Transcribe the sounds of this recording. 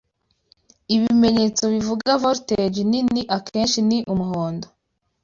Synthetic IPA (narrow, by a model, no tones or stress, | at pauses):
iβime̞ɲe̞t͡so̞βivuɡavoɾted͡ʒininiʔakʰeːnʃiniʔumuɦoːndo